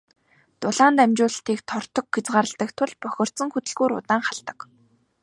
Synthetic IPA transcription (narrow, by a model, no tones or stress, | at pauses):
t̪ʊɮaːnt̪æmt͡ɕʊːɮə̆ɬt̪iːkt̪ʰɔr̥t̪ɞ̆kɡet͡sɢaːɾə̆ɮt̪ə̆kt̪ʰʊɮpœxʲɞ̆r̥t̪sə̆ŋxɵt̪ɘ̆ɮɣuːɾʊ̰t̪aːŋχaɮt̪ə̆k